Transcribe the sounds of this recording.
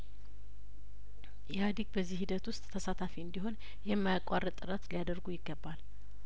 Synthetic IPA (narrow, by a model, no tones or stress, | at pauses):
jɛad̪iɡbəzːihid̪ət̪wʊst̪ʼʰːəsat̪ʰafiɨnd̪iɦo̞n | jɛmːajakʼarːət̪ʼːɨɾat̪lijad̪əɾɡujɪɡːəbːal